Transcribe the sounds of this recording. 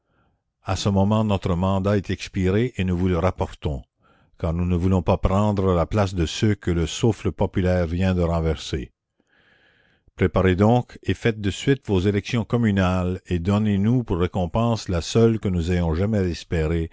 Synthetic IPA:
asəmɔmɑ̃nɔt̪ʁəmɑ̃d̪aɛt̪ɛkspiʁeʔenuvuləʁapɔʁt̪ɔ̃ | kaʁnunəvulɔ̃papʁɑ̃d̪ʁəlaplas̬d̪əsøkələsufləpɔpylɛːʁvjɛ̃d̪əʁɑ̃vɛʁse | pʁepaʁed̪ɔ̃ːkefɛt̪̚d̪əsɥɪt̪vozelɛksjɔ̃kɔmynaled̪ɔnenupurːekɔ̃pɑ̃ːslasœlkənuzajɔ̃ʒamɛɛspeʁe

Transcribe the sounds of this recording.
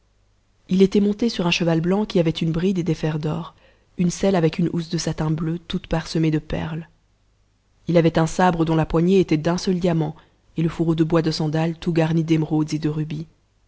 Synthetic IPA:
ilet̪ɛmɔ̃t̪esyʁɛ̃ʃəvalblɑ̃kʲiavɛt̪ynbʁid̪ed̪efɛʁd̪ɔʁ | ynsɛlavɛkynṵsd̪əsat̪ɛ̃bløt̪ut̪paʁsəmed̪əpɛ̰ʁl | ilavɛt̪ɛ̃sabʁəd̪ɔ̃lapwaɲeːt̪ɛd̪ɛ̃sœld̪jamɑ̃ | eləfuʁod̪əbwad̪əsɑ̃d̪alt̪uɡaʁnid̪emʁod̪zed̪əʁybi

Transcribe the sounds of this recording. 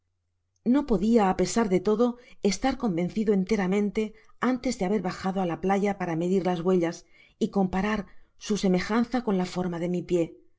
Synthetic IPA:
no̞po̞ðiaːpe̞saɾðe̞t̪o̞ðo̞e̞st̪aɾko̞mbe̞n̟θiðoe̞nt̪e̞ɾamẽ̞nt̪e̞ant̪e̞zðe̞aβe̞ɾβaxaðo̞alaplaʝapaɾame̞ðiɾlazβwe̞ʎas | iko̞mpaɾaɾsuseme̞xanθako̞nlafo̞ɾmaðe̞mipje̞

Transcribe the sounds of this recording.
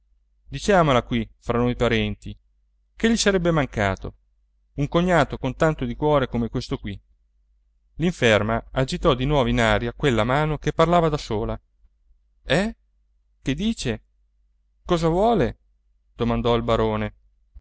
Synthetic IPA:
d̪it͡ʃaːmolakwifɾanojpaɾɛnt̪i | keʎːisaɾɛbːemaŋkaːt̪o̰ | uŋkoɲːaːt̪okont̪ant̪od̪ikwɔːɾekomekwest̪okwi | liɱfɛrmaad͡ʒit̪ɔd̪inwɔːvinaːɾjakwelːamaːnokepːarlaːvad̪asoːla | ɛ | ked̪ːiːt͡ʃe | kɔːzavwɔːle | d̪̥omand̪ɔilbaɾoːne

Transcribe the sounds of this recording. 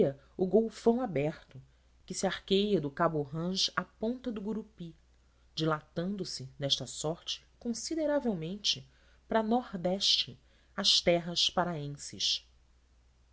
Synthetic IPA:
ɐ | ʊɡowfɐ̃w̃abɛɾt̪ʊ | kɪsɪaɾkejɐd̪ʊkabuɦɐ̃ʃapõnt̪ɐd̪ʊɡuɾupi | d͡ʒilat̪ɐ̃nd̪ʊsɪd̪ɛʃt̪ɐsɔɾt͡ʃɪ̥kõsid̪eɾavewmẽnt͡ʃɪ | pɾɐnɔɾd̪ɛʃt͡ʃɪ | ɐʃt̪ɛɦɐʃpaɾaẽsɪ̰ʃ

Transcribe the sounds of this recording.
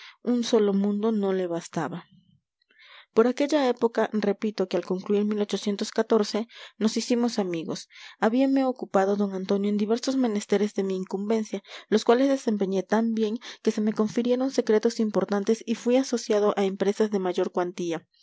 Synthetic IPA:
unso̞lo̞mũnd̪o̞no̞le̞βast̪aβa | po̞ɾake̞ʝae̞po̞kare̞pit̪o̞kealko̞ŋkluiɾmilo̞t͡ʃo̞sje̞nt̪oskat̪o̞ɾse̞no̞sisimo̞samiɣo̞̰saβiame̞o̞kupaðo̞ðo̞ŋant̪o̞njoend̪iβe̞ɾso̞zmẽ̞ne̞st̪e̞ɾe̞zðe̞miːŋkumbe̞nsjalo̞skwalezðe̞se̞mpe̞ɲe̞t̪ambje̞ŋke̞se̞me̞ko̞ɱfiɾje̞ɾo̞nse̞kɾe̞t̪o̞simpo̞ɾt̪ant̪e̞sifwiaso̞sjað̞o̞ʔaempɾe̞sazðe̞maʝo̞ɾkwant̪ia

